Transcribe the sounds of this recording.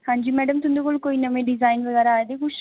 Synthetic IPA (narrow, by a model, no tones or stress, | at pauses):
hãːɲd͡ʒiːmɛːɖəmt̪ʊnd̪eːkoːlkoːiːnəʋẽɖɪzaːɪnʋəɡaːɾaaːed̪ekʊ